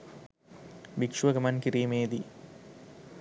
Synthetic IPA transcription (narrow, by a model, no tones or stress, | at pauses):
bikʂʋɐɡɐmankiɾimeːd̪i